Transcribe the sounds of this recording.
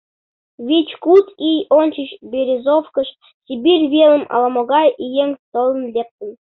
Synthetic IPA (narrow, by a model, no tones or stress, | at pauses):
ʋʲit͡ɕkut̪ijonʲt͡ɕiɕbʲeɾʲezofkɤ̆ʂ | tʲebʲirʲvʲelʲˠə̆mɑ̰lˠɑmoɡɑijeŋʲt̪ŏlˠɤ̆nlʲep̚t̪ʲə̆nʲ